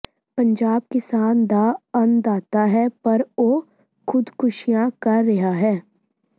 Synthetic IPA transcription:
pɐ̃ɲd͡ʒaːb̚kɪsaːnd̪aːɐnd̪aːt̪aɦɛpɐɾoː | kʰʊd̪kʊʃijãkaːɐɦaɦɛː

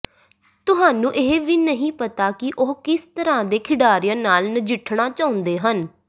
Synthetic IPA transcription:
t̪ʊɦaːnũːʔeɦeʋiːnəɦĩːpət̪aːkɪʔoɦkɪst̪əɾãːd̪eːkʰɪɖaːɾɪjãːnaːlnəd͡ʒɪʈʰɳaːt͡ʃaːʊ̃nd̪eːɦən

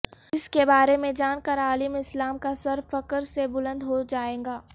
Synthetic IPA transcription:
ɪskebaːɾemẽd͡ʒaːnkəɾaːlɪmɪslaːmkasɐɾfɐkəɾsebʊlə̃nd̪ɦod͡ʒaːẽːɡaː

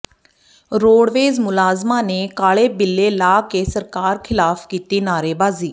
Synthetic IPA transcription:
ɾoːɽʋeːzmʊlaːzmãːneːkaːɭeːbɪlːeːlaːkeːsəɾkaːɾkʰɪlaːfkiːt̪iːnaːɾeːbaːziː

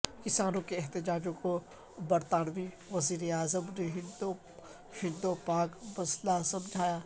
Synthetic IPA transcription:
kɪsaːnõkeɛɦt̪ɪd͡ʒaːd͡ʒõko | bɐɾt̪aːnʋi | ʋɐziːɾeaːzəmneɦɪ̃d̪o | ɦɪ̃nd̪opaːkbɐslasɐmd͡ʒʱaːjaː

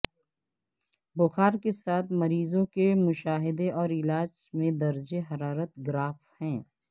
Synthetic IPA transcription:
bʊxaːɾkesaːt̪ʰmɐɾiːzõkemʊʃaːɦɪd̪eʔɔːɾɪlaːd͡ʒmẽd̪ɐɾd͡ʒeɦɐɾaːɾət̪ɡɾaːfhɛ̃ː

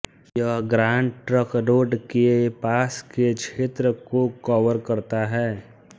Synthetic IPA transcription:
jəɦɡɾaːɳɖʈɾəkɾoːɖkepaːsket͡ʃʰeːt̪ɾəkokɔːʋəɾkɐɾt̪aɦɛː

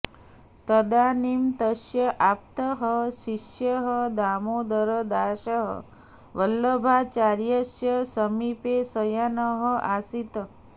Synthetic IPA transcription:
t̪əd̪animt̪əʃjəʔap̚t̪əɦəʃiʃjəɦəd̪amod̪əɾəd̪aːʃəɦə̰ | ʋəlːəbʱat͡ʃaɾjəʃjəsəmipesəjanəɦəasit̪ə

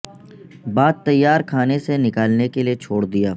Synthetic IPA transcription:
baːd̪̚t̪ɐjːaːɾkʰaːnesenɪkaːlnekeliet͡ʃʰoːɽd̪ijaː

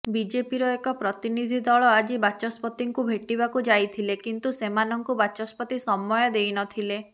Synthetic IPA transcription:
bid͡ʒepiɾɔekɔpɾɔt̪inid̪ʱid̪ɔɭɔad͡ʒibat͡ʃɔspɔt̪iŋkubʱeʈiβakud͡ʒajt̪ʰilekint̪usemanɔŋkubat͡ʃɔspɔt̪isɔmːɔjɔd̪ejnɔt̪ʰile

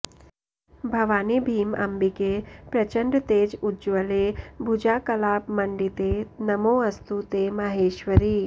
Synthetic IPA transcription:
bʱɐʋaːnibʱiːmɐ̰mbikepɾɐt͡ʃəɳɖɾt̪eːd͡ʒud͡ʒʋɐlebʱud͡ʒaːkɐlaːpmɐɳɖit̪enɐmoːɐst̪ut̪emɐɦeːʃʋɐɾiː

